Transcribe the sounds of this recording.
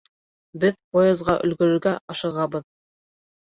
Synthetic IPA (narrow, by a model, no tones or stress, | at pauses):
bɘðpojɑzʁɑʔɵ̆lɡɵ̆ɾɵ̆ɾɡæʔɑʃɤ̆ʁɑbɤð